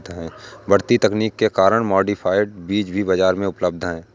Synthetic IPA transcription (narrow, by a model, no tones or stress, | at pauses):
t̪ɦɛ̃ːbɐɽt̪it̪ɐkniːkːekaːɾəɽ̃mɔːɖipʰaːɪɖ̚biːd͡ʒbʱibɐd͡ʒaːɾmẽʊpləb̚d̪ʱɦɛ̃ː